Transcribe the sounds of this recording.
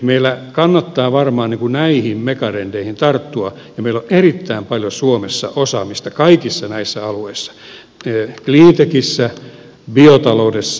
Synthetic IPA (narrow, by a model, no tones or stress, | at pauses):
meilːækɑnːɑt̪ːɑːʋɑrmɑːnniŋkunæihimmekɑrend̥eihint̪ɑrt̪ːuɑ | jɑmeiloʔerit̪ːæimpɑljosuomesːɑ̰ʔosɑmist̪ɑkɑikisːɑnæisːæɑlueisːɑ̥ | kliːnt̪ekisːæ | biot̪ɑloudesː